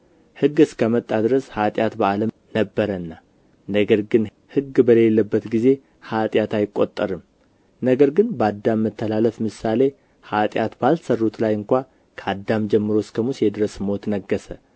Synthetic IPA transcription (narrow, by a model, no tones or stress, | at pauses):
hɨɡːɨskʰəmət̪ʼːad̪ɨɾəshat̪ʼjat̪bəaləm | nəbːəɾənːa | nəɡəɾɡɨn | hɨɡːbəle̞lːəbːət̪ɡize̞ | hat̪ʼjat̪ajɪkʼːo̞t̪ʼːəɾɨm | nəɡəɾɡɨnbəad̪ːamːət̪ʰːəlaləfmɨsale̞ | hat̪ʼjat̪balt̪sərːut̪lajɨŋkʷa | kʰəad̪ːamd͡ʒɛmːɨɾo̞skʰəmusjɛd̪ɨɾəsmot̪nəɡːəsə